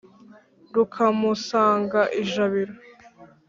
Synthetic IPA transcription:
ɾukʰamusaːŋɡaʔiʒaβiɾo

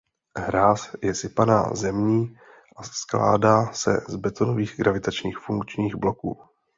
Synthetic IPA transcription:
ɦɾaːsjɛsɪpana̰ːzɛmɲiː | ʔaskla̰ːdaːsɛ̰zbɛt̪o̞noviːɣɡɾavɪt̪at͡ʃɲiːxfuŋkt͡ʃɲiːɣblo̞kṵː

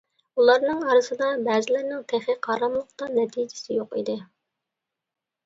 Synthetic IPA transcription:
ulˠɑɾnɨŋɑɾɨsɨd̪ɑbɛːzɪlɪɾnɪŋt̪ʰeχɪqʰɑːɾɑmlˠəqt̪ɑnɛt̪ʰid͡ʒɪ̥sɪjoqḭd̪ɪ

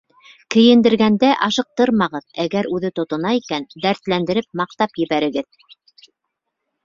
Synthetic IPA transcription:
kɘ̆jɘ̆nd̪ɘ̆ɾɡænd̪æʔɑʃɤ̆q̚t̪ɤɾmɑʁɤðæɡæɾʉðɘt̪ŏt̪ɤ̆nɑikænd̪æɾt̪lænd̪ɘ̆ɾɘp̚mɑq̚t̪ɑpjɘ̆βæɾɘ̆ɡɘð

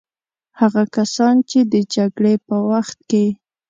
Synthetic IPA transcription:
haɣakasɑnt͡ʃed̪əd͡ʒaɡɽepəwaxt̪̚ke

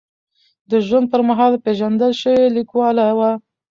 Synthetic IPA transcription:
d̪əʒwand̪̚pəɾmaɦɑlpeʒand̪əlʃəwelikwɑlawa

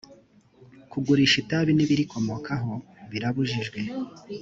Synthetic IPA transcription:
kuɡuɾiʃitaβiniβiɾiko̞mo̞kʰaɦo̞βiɾaβuʒiʒɡwe̞

